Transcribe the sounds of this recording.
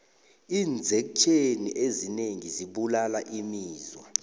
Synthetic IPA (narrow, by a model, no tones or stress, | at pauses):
iːnd͡zʱɛk̬t͡ʃʰʼeniʔezineŋiziɓulalaʔimiːzwa